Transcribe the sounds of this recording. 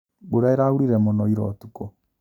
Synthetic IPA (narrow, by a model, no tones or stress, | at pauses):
boɾaeɾauɾiɾɛmɔnɔiɾɔ̰tuko